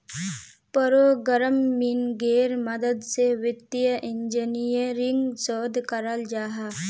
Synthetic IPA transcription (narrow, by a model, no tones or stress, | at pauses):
pəɾoɡəɾəmːinɡeɾməd̪əd̪seʋit̪ːijəʔiɲd͡ʒinijəɾiŋɡsoːd̪ʱkəɾald͡ʒaːɦa